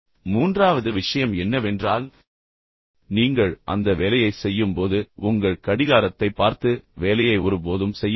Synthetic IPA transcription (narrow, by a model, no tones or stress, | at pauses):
muːndraːʋɐðɯʋɪʂɐjɐmɛnːɐʋɛndraːl | niːŋɡɐɭʔɐ̰nd̪ɐʋeːlɐjɐɪsɛjːɯmpoːðɯʊŋɡɐɭkɐɽɪɣaːɾɐt̪ːɐɪpːaːɾt̪ɯʋeːlɐjɐɪʊɾɯpoːðɯmsɛjː